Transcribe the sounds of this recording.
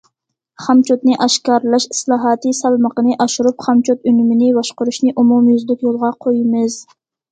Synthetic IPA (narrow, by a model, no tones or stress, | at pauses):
χɑmt͡ʃot̪nɪʔɑʃkɑɾlˠɑʃi̥slˠɑːɦɑːt̪ɨsɑlˠməqənɨʔɑʃuɾupχɑmt͡ʃʰot̪ynymɪnɪbɑʃqʊɾuʃnɪʔumumjyzlɪkʲjolˠʁɑqʰojimɨz